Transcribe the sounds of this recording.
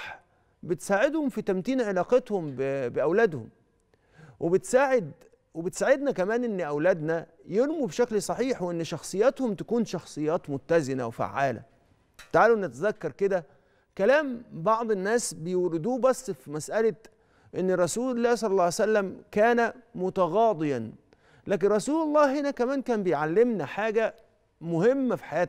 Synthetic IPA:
ħ | bet̪saːʕed̪homfit̪æmt̪iːnʕelɑːqet̪hombbeʔæwlæd̪hʊm | wʔebet̪saːʕed̪ | webet̪saːʕed̪nækæmæːnʔenːʔæwlæːd̪næ | jeɾmubʃæklsˤɑħiːħweʔenːʃɑxsˤɨjːɑt̪homt̪æ̥kuːnʃɑxsˤɨjːɑːt̪mʊt̪ːæzɪnæ̰wfa̰ʕːaːlæ̰ | t̪aʕaːluʔnːæt̪æzækːɑɾˤked̪æ | kælæːmbɑʕd̪ˤenːæːsbejewɾɪd̪uːbæsˤːfimæsʔælæ | ʔenːɾˤɑsuːlelːæːhsˤɑlːɑlːˤɑːʕsælːæmkæːnæmʊt̪ɑɣɑːd̪ˤɨjæn | læːk̬enɾˤɑsuːlɑlˤːɑːɦenækæmæːnkæːnbejʕalːemnæħaːɡæ | mʊhemːæfi̥ħajæːt̪

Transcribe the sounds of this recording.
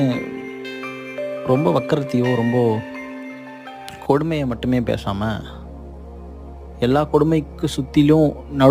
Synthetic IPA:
ɾɔmbɐʋɐkːɐɾɐt̪ːɪjõɾɔmbɐ | kʰɔɽʊmɐjɐmɐʈːɯmeːpḛːsa̰ːmɐ | ɛlːaːkɔɽʊmɐɪkːɯsʊt̪ːɪljʊ̃nɐɽ

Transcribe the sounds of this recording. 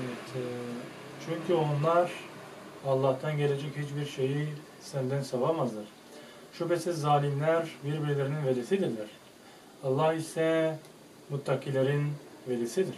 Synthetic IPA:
vɛt̪ʰ | t͡ʃʰyɲcʰyo̞nlˠaɾ̥ | alˠːaht̪ʰanɟe̞lʲe̞d͡ʒɛchit͡ʃbiɾʃe̞ji | sænd̪ænsavamazɯɾ̥ | ʃupɛsizzːaːlʲimlʲæɾbiɾbiɾlʲeɾininvelisid̪iɾlʲæɾ̥ | ɑlˠːahisɛ | mut̪ʰːakiːlʲeɾin | velisid̪iɾ̥

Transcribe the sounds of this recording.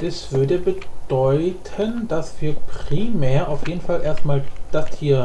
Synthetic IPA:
ɛsv̥ʏɐdəbəd̥ɔʏtʰənd̥asv̥iːɐpʁ̥imɛːɐʔaʊfjeːdn̩falʔeːɐst̚maːld̥astʰiːɐ

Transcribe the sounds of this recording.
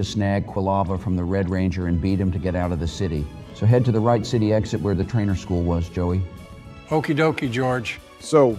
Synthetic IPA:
ɨsnæɡ̚kʰw̥əlˠɑvəfɹʌ̃mðəɹɛd̚ɹẽɪ̃nd͡ʒə˞ɨ̃nbiɾ̚ɨ̃mtʰɨɡɛɾaʊɾʌvðɨsɪɾḭ | soʊɦɛd̚tɨðəɹaɪtsɪɾiɛksɨʔ̚wə˞ðɨtʰɹ̥ẽɪ̃nə˞skulˠwʌzd͡ʒoʊi | oʊkidoʊkid͡ʒɔɹd͡ʒ̥ | soʊ

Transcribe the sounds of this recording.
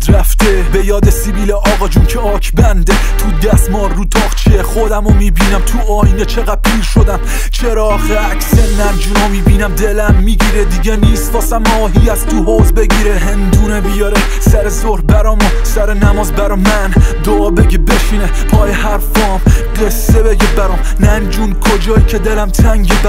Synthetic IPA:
d̪ɾæft̪ebe̞jɒːd̪esibiːleʔɒːɣɒd͡ʒunkʰeɒːkʰbænd̪e | t̪ʰud̪æsmɒːɾːuːt̪ʰɒːɣt͡ʃʰieχod̪æmomiːbiːnæmt̪ʰuʔɒːiːnet͡ʃʰe̞ɣæd̪̥̚pʰiːɾʃod̪æm | t͡ʃʰeɾɒːh | ækʰseænd͡ʒuːnomiːbiːnæmd̪elæmːiːɟiːɾed̪iɟeniːst̪vɒːsæmɒːɦijæzt̪ʰuɦoːzbe̞ɡiːɾeɦend̪uːnebijɒɾe | sæɾezohbæɾɒːmosæɾenæmɒːzbæɾɔmænd̪oɒːbeɟebe̞ʃine | pʰɒːjehæɾfɒːmɢesːebe̞ɟebæɾɔm | nænd͡ʒunkʰod͡ʒɒːjicʰed̪elæmt̪ʰæŋɟeb

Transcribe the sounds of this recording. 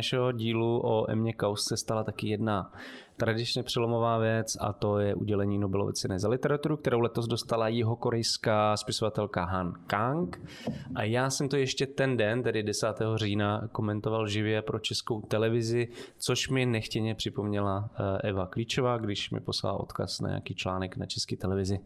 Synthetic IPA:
aʃɛɦo̞ɟiːluʔoʔɛ̰mɲɛkawssɛst̪alat̪akɪjɛdna | t̪ɾadɪt͡ʃɲɛpr̝̥ɛlo̞mo̞vaːvjɛt͡sa̰t̪o̞jɛʔṵɟɛlɛɲiːno̞bɛlovɛ̰t͡sɛnɛzalɪt̪ɛɾat̪uɾukt̪ɛɾowlɛt̪o̞zdo̞st̪alajɪɦo̞ko̞ɾɛjskaːspɪso̞vat̪ɛlkaɦankaŋk | ʔajaːsɛmt̪ojɛʃcɛt̪ɛndɛnt̪ɛdɪdɛsaːt̪ɛːɦo̞r̝iːnako̞mɛnt̪o̞valʒɪvjɛpɾo̞t͡ʃɛskowt̪ɛlɛvɪzɪt͡so̞ʃmɪnɛxcɛɲɛpr̥ɪpo̞mɲɛlaʔɛvakliːt͡ʃo̞vaːɡdɪʃmɪ̰po̞sla̰la̰ʔo̞̰t̪ka̰sna̰ɲa̰ːkiːt͡ʃla̰ːnɛkna̰t͡ʃɛskiːt̪ɛlɛvɪzɪ

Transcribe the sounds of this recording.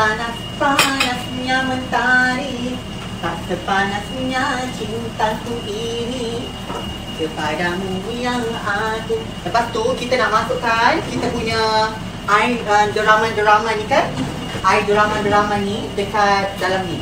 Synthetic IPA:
anasəpanaspuɲamənt̪aɾi | taʔsəpanaspuɲat͡ʃint̪ant̪uʔini | səpadaməbuɲaŋat̪u | ləpast̪ukit̪anaʔmasuʔkankit̪əpuɲa | ʔaiəmdəɾamadəɾamanĩkan | ʔaidəɾamandəɾamanidəkat̪̚dalami

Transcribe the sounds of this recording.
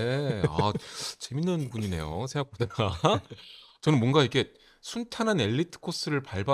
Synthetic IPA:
a̰t͡ɕe̞minːɯnpuɲine̞̰jo̰sʰeak̚pudaa | t͡ɕʌnɯnmwʌŋɡaikʰe̞ | sʰuntʰanɦane̞ʎːitʰɯ̥kʰos͈ɯɾɯɭpaɭba

